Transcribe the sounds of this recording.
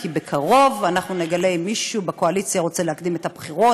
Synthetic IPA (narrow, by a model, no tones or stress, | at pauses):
kibekʰaʁo̞vanaχnune̞ɡale̞jmiʃubekoalit͡sjaʁo̞t͡seleakd̪ime̞thabχiʁo̞